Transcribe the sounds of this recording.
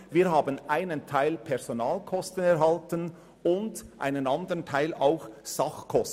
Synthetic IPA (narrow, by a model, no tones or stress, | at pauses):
viːɦaːbənʔaɪnəntʰaɪlpʰɛʁz̥onaːlkʰɔstən̩ɛʁɦɑltən | ʊndʔa̰ɪnənɑndəʁəntʰaɪla̰ʊxsɑχkʰɔstn̩